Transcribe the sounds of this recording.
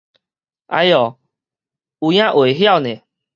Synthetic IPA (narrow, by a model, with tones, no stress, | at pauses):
a̰˧˦jɔ˨˩ | u˨˩j̃ã˦ʔwe˨˩ɦja˥˨wnẽ˨